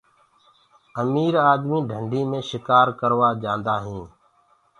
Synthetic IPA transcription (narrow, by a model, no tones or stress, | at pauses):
əmiːɾaːd̪mĩːɖʱəɳɖʱiːmẽːʃɪkaːɾkəɾʋaːd͡ʒãːnd̪aːɦĩː